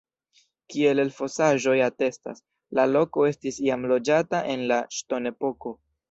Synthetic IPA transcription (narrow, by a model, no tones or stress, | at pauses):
kie̞lelfo̞saʒo̞jate̞sta̰s | lalo̞ko̞e̞stisiamlo̞d͡ʒataʔe̞nlaʃto̞ne̞po̞ko̞